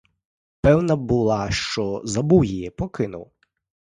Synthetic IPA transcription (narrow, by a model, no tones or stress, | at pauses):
pɛwnɐbulˠɑʃt͡ʃɔzɐbuwjijɛpɔkɪnʊ̰w